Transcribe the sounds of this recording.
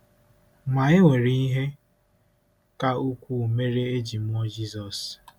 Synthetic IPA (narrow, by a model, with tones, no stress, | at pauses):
ma˨ɪ˦we˨ɾi˦i˦ɦe˦ | ka˦u˦kʷu˦˨me˦ɾe˦e˦d͡ʒi˨m̩˦ɔ˦d͡ʒi˦zɔ˨s